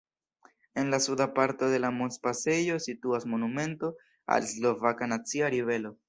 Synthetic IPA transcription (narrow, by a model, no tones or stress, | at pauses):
e̞nlasudapaɾto̞de̞lamonspase̞jo̞situasmo̞nume̞nto̞ | a̰lslo̞vakanat͡siaɾive̞lo̞